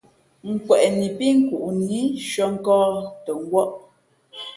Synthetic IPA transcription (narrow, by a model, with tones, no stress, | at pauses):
ŋ̩˨kwɛ˨ʔni˨pi˦ŋ̩˦ku˨ʔni˨˦ʃɔ˦ŋ̩˦kɔː˦tə˨ŋ̩˦ɡwɔ˦ʔ